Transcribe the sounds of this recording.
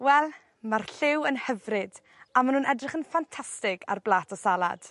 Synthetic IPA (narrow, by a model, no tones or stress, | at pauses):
wɛlˠ | marɬɪwənhəvrɪd | amanuːnɛdrɪχənfantʰastɪɡa̰rblˠaːtʰɔsalˠa̰d̥